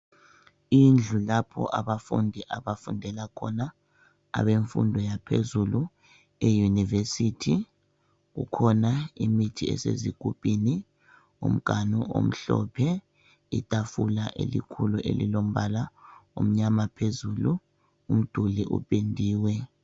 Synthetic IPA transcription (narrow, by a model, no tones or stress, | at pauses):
ind͡ɮʱulapʰɔ̰ʔaβafṵndʱiʔaβafundʱɛlakʰɔna | a̰βeɱfṵndʱɔjapʰezulu | ɛjunivesitʰi | ɣṵkʰɔnaimitʰiɛ̰seziɡ̥ʱupʼini | ṵm̩ɡ̥ʱanuo̰m̩ɬɔ̰pʰɛ | itʼafulaʔelḭkʰuluʔelḭlom̩βalaṵm̩ɲamapʰezulu | um̩d̥ʱuliʔṵpʼendʱiːwɛ